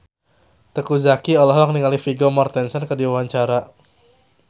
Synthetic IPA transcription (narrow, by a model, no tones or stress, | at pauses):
t̪əkuzakiɔlaɦɔaŋniŋalifiɡomart̪ɛnsənkədiwawaɲt͡ʃaɾa